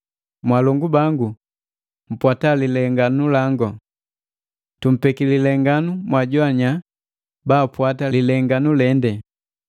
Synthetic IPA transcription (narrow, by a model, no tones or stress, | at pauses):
mwalɔŋɡubaŋɡu | m̩pwatalilɛŋɡanulaŋɡɔ | tum̩pɛkililɛŋɡanumwaɟwaɲa | baːpwatalilɛŋɡanulɛndɛ